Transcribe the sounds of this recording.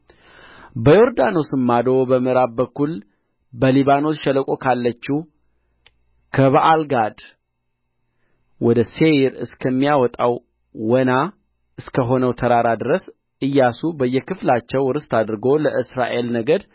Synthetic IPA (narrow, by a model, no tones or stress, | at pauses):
bəjo̞ɾd̪ano̞sɨmːad̪o̞bəmɨɾaβbəkːul | bəliβano̞sʃələkʼo̞kʰalːət͡ʃːu | kʰəβaʔalɡad̪ | wɔd̪əse̞ɾɨ̰skʰəmːijawɔt̪ʼaw | wɔna | ʔɨskəɦo̞nəwt̪ʰəɾaɾad̪ɨɾəs | ʔɨjːasubəjːɛkʰɨflat͡ʃːɛwɾɨst̪ʰad̪ɾɨɡo̞ləʔɨsɾa̰ʔe̞lnəɡəd̪